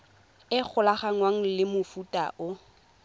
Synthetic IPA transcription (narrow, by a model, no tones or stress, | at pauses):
ɪk͡xʰʊlaχaŋ̩waŋ̩lɪmʊfutʼa̰ʔʊ